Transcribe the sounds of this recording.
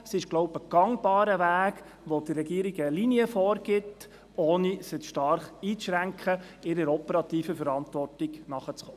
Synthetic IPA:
sɪʃɡ̥lɔwbəɡ̥ɑŋb̥ɑːɾəʋæːɡ | ʋod̥ərːɛɡiəɾiɡəliniəfɔːɾɡ̥ɪt | oːnisɪʃtɑɾχiːt͡sʃɾæŋkʰχə | ɪɾəɾɔpɛɾɑt̪iːfəfəɾɑntʋɔrtɪɡ̥nɑχət͡sχoː

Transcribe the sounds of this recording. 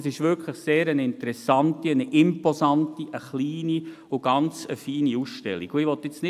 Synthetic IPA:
sɪʃʋʏkʰləχseːɾənɪntəɾɛsɑntiənʔɪmpɔzɑntiʔəχliːni | ʊɡ̥ɑnt͡sə̰fiːniusʃtɛ̰lːiɡ̥ʊɪʋɔtːɪt͡snɪ

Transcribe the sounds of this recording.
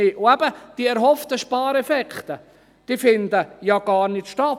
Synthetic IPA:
ɪʔʊæbəd̥iːəɛɾɦɔft̪əʃpɑːɾɛfɛkχt̪ə | d̥iːfɪnd̪əjɑɡ̥ɑːɾnɪtʃtɑ

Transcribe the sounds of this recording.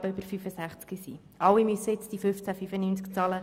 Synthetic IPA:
bəøbəɾfyfəsæχt͡skisiː | ɑwimyset͡sd̥ifʏft͡sæfyfənyːnt͡skt͡sɑːlə

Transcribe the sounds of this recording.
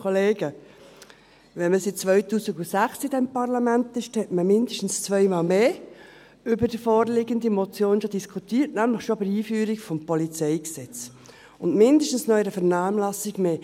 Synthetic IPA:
oleːɡə | ʋɛnməsit̚t͡sʋœʏtuːsiɡusæχsɪdɛmpɑɾlɑmænt̪ɪʃthɛtməmɪnd̪əʃtn̩st͡sʋœɪmɑːlmeː | ʏbəɾd̥əfɔːɾlɪɡənd̪imɔt͡sjoːnʃɔd̪iskʰut̪iːɾtnæmləχʃɔbəɾiːfyːɾikfɔmpɔlit͡sɛɪksɛt͡s | ʊndmɪnd̪əʃtn̩snœjɾəfɛɾnɑːmlɑsiɡmeː

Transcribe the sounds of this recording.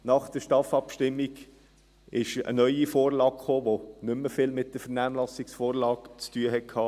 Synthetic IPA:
nɑχd̥̪əʃtɑːfɑpʃtɪmːiɡ | ɪʃə̰nœʏifoːɾlɑːkχoːʋonʏmːəfɪːlmɪt̚d̥əfəɾnæːmlɑsiksfoːɾlɑːkt͡styəɦɛt̚kʰhɑː

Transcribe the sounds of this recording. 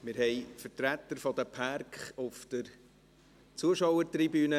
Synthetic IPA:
mɪɾhɛɪfəɾtɾæt̪ːəɾfɔd̪əpʰæɾkχʊfd̪̥əɾ | t͡suəʃɔwəɾtribyːnə

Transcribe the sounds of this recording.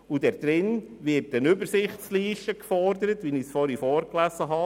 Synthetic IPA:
ud̥ɛɾd̪̥ɾɪn | ʋɪt̚ːɛnʏbəɾsɪχtsliːʃtəkfɔɾd̪əɾətʋinisfɔːɾifɔːɾklæsəɦɑ

